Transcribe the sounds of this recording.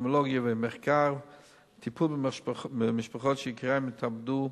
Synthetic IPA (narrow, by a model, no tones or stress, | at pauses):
məlˠɔɡjəvemɪχkaɾ | tʰipʰulˠbɪɪmɪʃpaχɔtʃɪɪkʁaɪmɪtʰabdu